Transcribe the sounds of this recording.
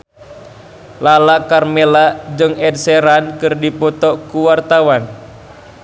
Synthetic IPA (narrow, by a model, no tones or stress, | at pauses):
lalakarmelad͡ʒɨŋɛd̚sɛɾankɨrdipɔt̪ɔkuwart̪awan